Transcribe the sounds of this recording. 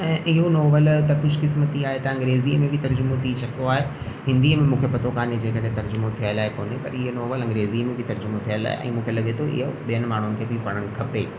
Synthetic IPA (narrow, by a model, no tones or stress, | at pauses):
ɛ̃ːʔɪɦonɔːʋəlt̪ɐkʊd͡ʑʱkɪsmət̪iaːɦet̪ɐɐ̃ŋɡɾeːziəmẽbʱɪt̪ɐɾd͡ʑʊmot̪ʰit͡ɕʰɐkioaːɦe | ɦɪ̃nd̪iːəmẽmũːkʰepɐt̪okaːned͡ʑeːkɐɽet̪ɐɾd͡ʑʊmot̪ʰijəɪlaːɦekoːnepɐɾɪɦonɔːʋəlɐ̃ŋɡɾeːziːəmẽbʱɪt̪ɐɾd͡ʑʊmot̪ʰijəla̰ːɦḛʔɛ̰̃ːmũːkʰelɐɠet̪ʰoʔɪ̰ɦoɓijənɪ̆maːɳ̤ʊnɪ̆kʰeːbipɐɽ̃əɽ̃ɪ̆kʰɐpeː